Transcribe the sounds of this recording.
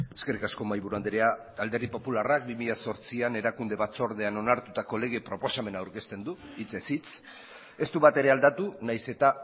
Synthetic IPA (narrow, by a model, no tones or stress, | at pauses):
e̞ske̞rikasko̞majβuɾuand̪eɾe̞a | ald̪e̞rðipo̞pularak̚bimiʎaso̞ɾt͡siane̞ɾakund̪e̞βat͡so̞ɾð̞e̞ano̞naɾt̪ut̪ako̞le̞ɣ̞e̞pɾo̞po̞same̞naːwɾke̞st̪end̪uit͡se̞sit͡s | e̞st̪uβat̪e̞ɾe̞ald̪at̪unajse̞t̪a